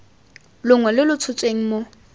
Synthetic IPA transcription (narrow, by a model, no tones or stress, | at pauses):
lʊŋwɛlɪlʊt͡sʰʊt͡sʼweŋ̩mo